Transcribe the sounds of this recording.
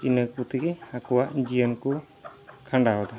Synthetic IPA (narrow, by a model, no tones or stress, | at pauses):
inək̚put̪ikɛakuwaʔd͡ʒijənku | kʰaɳɖaɦɔd̪a